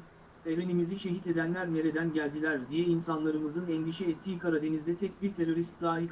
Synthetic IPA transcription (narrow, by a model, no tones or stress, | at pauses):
e̞venimiziʃe̞ɦit̪e̞d̪ænlʲæɾme̞ɾe̞d̪ænɟælʲd̪ilʲæɾd̪ijɛinsanlˠaɾɯmɯzɯnɛnd̪iʃɛːt̪ʰːiːkʰaɾad̪e̞nizd̪ɛt̪ʰɛc̚biɾt̪ʰe̞ɾo̞ɾist̪d̪aːɦik